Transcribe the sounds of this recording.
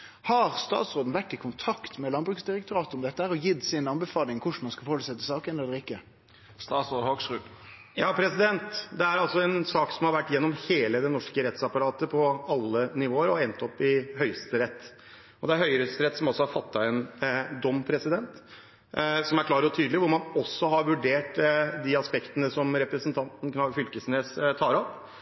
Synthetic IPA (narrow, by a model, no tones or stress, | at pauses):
hɑɾst̪ɑ̰ːt̪sɾoːd̪n̩ʋæʈːɪkʰʊnt̪ʰɑkt̪mɛlɑnbɾʉksd̪ɪɾɛk̚t̪ʊɾɑːt̪ɔmd̪ɛt̪ːəhæːɾɔjɪd̪sɪnɑnbɛfɑːlɪŋkʰʊʂmɑnskɑfɔːɾəsɛt̪ːəsɑːkənɛlːəɾɪkːə | st̪ɑːt̪soːd̪oɡsʁʉ | jɑːpʰɾɛsɪd̪ɛnt̪d̪ɛæɾɑlsɔɛnsɑːksɔmhɑɾʋæʈːjɛnːɔmheːləd̪ɛnɔʂkəɾɛt̪sɑpɑɾɑːt̪əpʰɔɑlːənɪʋoːəɾɔɛnt̪ɔpːɪɦœʏst̪əɾɛt̪ː | ɔd̪ɛæɾhœʏɾœst̪əɾɛt̪ːsɔmɔsɔhɑɾfɑt̪ːɑɛnd̪ɔmːpʰɾɛsɪd̪ɛnt̪ | sɔmæɾkʰlɑːɾɔt̪ʰyːd̪lɪʋʊɾmɑnɔsːɔɦɑɾʋʉɖeːʈd̪iɑspɛkt̪ənəsɔmɾɛpɾəsənt̪ʰɑnt̪n̩knɑʋfʏlkəsneːst̪ʰɑːɾɔp